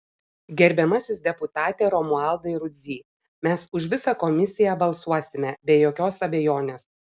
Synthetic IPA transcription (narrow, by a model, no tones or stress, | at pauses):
ɡʲɛɾʲbʲɛmɐsʲɪsd̪ʲɛpʊt̪ɑːt̪ʲeːɾɔmʊɑˑlˠd̪ɐɪɾʊd̪ʲzʲiː | mʲɛsʊʃʲʋʲɪsɑkɔmʲɪsʲɪjæbɐlˠsuɔsʲɪmʲɛbʲɛːjoːkʲoːsɐbʲejoːnʲeːs